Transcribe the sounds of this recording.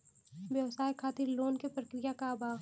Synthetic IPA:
ʋjɐwsaːjkʰaːt̪ɪɾloːnkepɾɐkɾijakabaː

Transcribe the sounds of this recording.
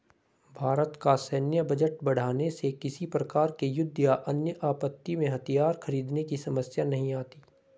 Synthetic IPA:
bʱaːɾət̪kasɛːnjəbɐd͡ʒəʈ̚bɐɽ̤aːnesekɪsipɾɐkaːɾkejʊd̪ʱːjaʔɐnjəʔaːpət̪ːimẽɦɐt̪ijaːɾxɐɾiːd̪nekisɐməsjanɐɦĩaːt̪iː

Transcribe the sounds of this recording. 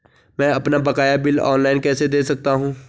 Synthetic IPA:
mɛ̃ːɐpnabɐkaːjabɪlɔ̰ːnlaːɪnkɛːsed̪eːsɐk̚t̪aɦũː

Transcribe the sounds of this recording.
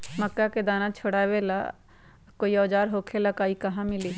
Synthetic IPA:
məkːaked̪aːnãt͡ʃʰoɽaːʋela̰ | koːiɔːd͡ʒaːɾɦoːkʰelakaːikɐɦãmɪliː

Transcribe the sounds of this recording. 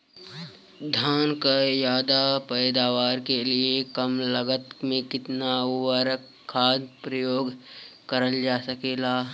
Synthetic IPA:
d̪ʱaːnkajaːd̪apɛːd̪aːʋaːɾkeliekɐmləɡət̪mẽkɪt̪naʊwəɾək | kʰːaːd̪pɾəjoːɡkɐɾəld͡ʒaːsɐkeːlaː

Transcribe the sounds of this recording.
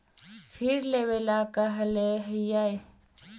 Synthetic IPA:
fʰɪɾlewelaːkaɦɐleɦəjae

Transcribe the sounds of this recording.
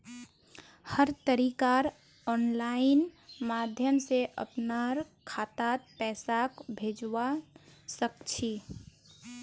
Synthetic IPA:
həɾt̪əɾikaɾ | ɔːnlaɪnmad̪ʱjəmseʔə̰pnaɾkʰat̪at̪̚pɛːsakbʱed͡ʒwasəkt͡ʃʰi

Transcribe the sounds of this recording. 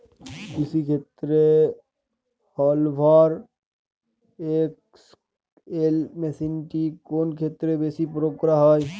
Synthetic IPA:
kɪsikʰeːt̪ɾe | hɔːlbʱaːɾ | eːk̚ | s | eːlmesinʈikoːnkʰeːt̪ɾebeːsipɾoːkɾaɦɔj

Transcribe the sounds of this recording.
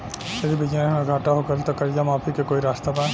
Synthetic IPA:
sed̪ibid͡ʒameɡʱaʈaɦoɡəlt̪ɔkɐɾid͡ʒamapʰikekoiɾast̪aban

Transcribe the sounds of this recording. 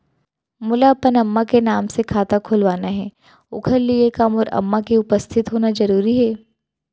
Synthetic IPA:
mʊlapənɐmːakenaːmsekʰaːt̪akʰʊlʋaːnaɦɛː | ʊ̰kʰəɾliekamɔːɾɐ̰mːakiʊpəst̪ʰɪt̪ɦoːnazɐɾuːɾiɦɛː

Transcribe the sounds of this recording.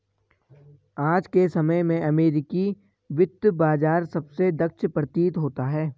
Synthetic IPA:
aːd͡ʒkesɐməjmẽʔɐmeːɾɪki | ʋɪd̪baːd͡ʒaːɾsɐbsed̪ɐkʃʰpɾət̪iːt̪ɦoːt̪aɦɛː

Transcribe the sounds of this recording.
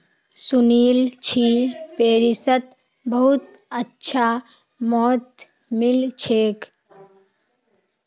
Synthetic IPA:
suniːlt͡ʃʰipeːɾisət̪ | bəɦut̪ | ətːt͡ʃʰa | mɔːt̪ | mɪlt͡ʃʰeːk

